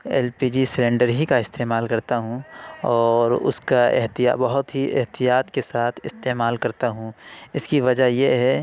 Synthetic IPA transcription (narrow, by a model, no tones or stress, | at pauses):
ɛ̰ːlpiːd͡ʒisɾẽːɳɖəɾɦikaɪst̪eːmaːlkɐɾt̪aɦũɔːɾʊ̰skaḛɦt̪ija̰bɐɦʊt̪ɦiʔḛɦt̪ijaːt̪kesaːt̪ʰɪst̪eːmaːlkɐɾt̪aɦũɪskiʋɐd͡ʒajeɦɛ